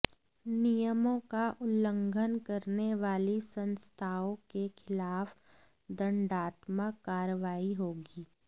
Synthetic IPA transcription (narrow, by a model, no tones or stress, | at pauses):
nijəmõkaʔʊlːə̃ŋɡʱənkɐɾneʋaːlisə̃nst̪ʰaːõkexʰɪlaːf | d̪ə̃ɳɖaːt̪məkːaːɾəʋaːiɦoːɡiː